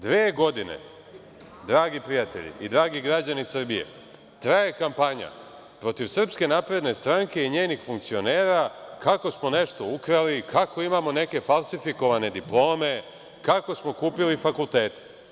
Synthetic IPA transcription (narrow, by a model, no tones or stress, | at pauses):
d̪ʋeːɡo̞d̪inḛ | d̪ɾaːɡipɾijat̪e̞̰ʎḭid̪ɾaːɡiɡɾad͡ʑanisr̩bije̞̰ | t̪ɾaje̞kampaɲa̰ | pɾo̞t̪iʋsr̩pske̞naːpɾe̞d̪ne̞st̪ɾaŋke̞iɲe̞ːnixfuŋk̚t̪sio̞ne̞ːɾakako̞smo̞ne̞ʃt̪o̞ukɾalikʰako̞imamo̞ne̞ke̞falˠsifiko̞ʋane̞d̪iplˠo̞ːme̞ | kako̞smo̞kuːpilifakulˠt̪e̞ːt̪e̥